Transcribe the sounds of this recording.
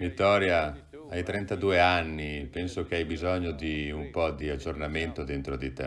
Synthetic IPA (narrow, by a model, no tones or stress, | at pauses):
vit̪ːɔːɾja | ajt̪ɾɛnt̪ad̪uːeanːipɛnsok̟eajbizɔɲːod̪iumpɔd̪iad͡ʒːornament̪od̪ent̪ɾod̪it̪ɛ